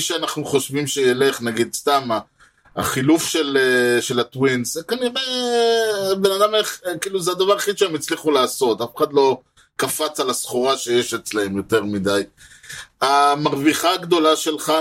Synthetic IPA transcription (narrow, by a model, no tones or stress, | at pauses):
ʃeanaχnuχo̞ʃvimʃejele̞χnaɡid̪st̪ama̰ː | χilufʃeleʃe̞lat̪winsekaniʁe | be̞nad̪ameχkiːluzead̪avaʁeχid̪ʃeemit͡sliχulaːso̞t̪afe̥χad̪lo̞ | kafat͡salasχoʁaʃe̞jeʃet͡slae̞mjo̞t̪e̞ʁmid̪aj | amaʁviχaɡd̪o̞laʃe̞lχa